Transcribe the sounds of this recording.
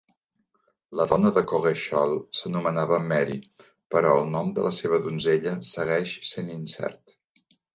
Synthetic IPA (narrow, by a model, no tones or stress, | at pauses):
ləðɔnəðəkoɣeʃɔlˠsənumənaβəmɛɾḭ | pəɾɔəlˠnɔmd̪ə̰lʔəseβ̞əðunzeʎəsəɣɛʃseninsɛ̰rt̪